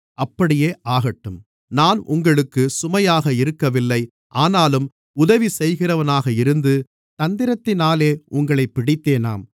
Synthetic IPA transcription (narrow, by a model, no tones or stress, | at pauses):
ɐpːɐɽɪjeːʔaːɣɐʈːɯm | naːnʔʊ̰ŋɡɐɭɯkːɯsʊmɐjaːɣɐɪɾɯkːɐʋɪlːɐɪ | ʔaːnaːlɯm | ʊðɐʋisɛjɣɪrɐʋɐnaːɣɐɪɾɯnd̪ɯ | t̪ɐnd̪ɪɾɐt̪ːɪnaːleːʔʊŋɡɐɭɐɪpːɪɽɪt̪ːeːna̰ːm